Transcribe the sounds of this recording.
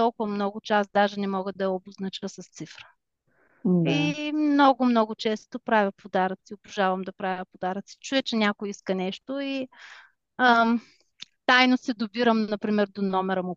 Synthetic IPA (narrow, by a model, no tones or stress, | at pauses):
t̪ɔlˠkʊvɐmnɔɡʊt͡ʃasd̪aʒɛnɛmɔɡəd̪ɐɛoboznɐt͡ʃəsɐst̪sifɾə̥ | imnɔɡʊmnɔɡʊt͡ʃɛst̪opɾavʲəpod̪aɾət̪siobʊʒavəmd̪ɐpɾavʲəpod̪aɾət̪si̥t͡ʃuɛt͡ʃɛnʲakʊjiskənɛʃt̪ʊi | t̪ajnosɛd̪obiɾəmnɐpɾimɛɾd̪onɔmɛɾəmu